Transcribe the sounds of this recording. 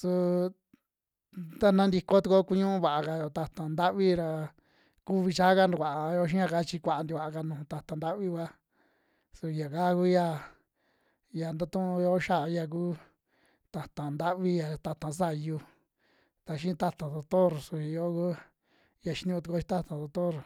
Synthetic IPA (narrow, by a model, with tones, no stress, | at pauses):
su˧ | t̪a˦nã˦nd̪i˧ko˦t̪u˧ko˦˧ku˧ɲũ˦ũ˦βa˨ʔa˧ka˧jo˨t̪a˧t̪ã˨nd̪a˦ʔβi˦ɾa˧ | ku˦βi˧t͡ʃa˦ka˧nu˧˨a˨a˧jo˧˦ʃ̬ĩ˦ã˧ka˧t͡ʃi˧kʷa˨a˧nd̪i˧βa˨ʔa˧ka˧nũ˨˧t̪a˧t̪a˨nd̪a˦βi˦wʷa˦ | su˧ja˨ka˦˧ku˦ja˧˨ | ja˨nd̪a˦t̪ũ˦˧jo˦ʃa˦˧ja˧k̬uː˦ | t̪a˨t̪ã˨nd̪a˦ʔβi˧ja˨t̪a˧t̪ã˨˧s̬a˦˧˨ju˧ | t̪a˧ʃ̬ĩ˦˧t̪a˦t̪ã˨ðo˧t̪o˦ɾsu˧i˧jo˦ku˦ | ja˧ʃi˧˦ɲũ˧t̪u˧ko˧˦ʃi˧t̪a˦t̪ã˨ðo˧t̪o˦˨ɾ